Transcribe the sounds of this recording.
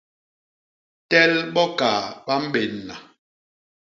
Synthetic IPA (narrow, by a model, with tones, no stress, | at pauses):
tɛ˦lɓɔ˦kaː˨ɓa˦m̩˦ɓe˨nːa˨